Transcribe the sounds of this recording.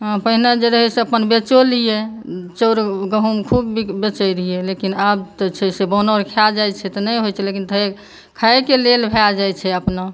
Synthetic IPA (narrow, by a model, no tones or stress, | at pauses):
ɦpəɦinad͡ʒeɾəɦɛseəpənbet͡ʃolijet͡ʃəɾɡəɦumkʰubbibet͡ʃəjɾɦielekinabt̪t͡ʃʰɛsebɔnoɾkʰad͡ʒajt͡ʃʰɛt̪ɔnəjɦojt͡ʃʰɛlekint̪ʰəe | kʰaekelelbʱead͡ʒajt͡ʃʰɛəpna